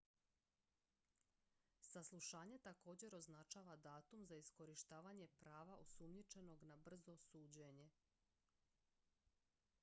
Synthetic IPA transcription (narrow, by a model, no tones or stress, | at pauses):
saslˠuʃaːɲet̪ako̞ːd͡ʑe̞ɾo̞znat͡ʃaːʋad̪aːt̪umzaisko̞ɾiʃt̪aːʋaɲe̞pɾaːʋaʔosumɲit͡ʃe̞no̞ɡnabr̩zo̞suːd͡ʑeɲe̞